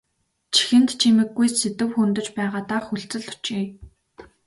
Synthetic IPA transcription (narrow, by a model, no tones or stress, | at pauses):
t͡ɕʰi̥xɘ̆nt̪t͡ɕʰimɘ̆ɡːujset̪ɘ̆wxunt̪ɵ̆t͡ɕpæːʁaːt̪aːxuɮt͡sɘ̆ɮʊ̥t͡ɕiː